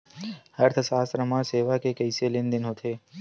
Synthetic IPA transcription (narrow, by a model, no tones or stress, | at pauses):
həɾt̪ʰəsaːst̪ɾəmãseːʋakekəɪselɪnd̪ɪnɦot̪ʰeː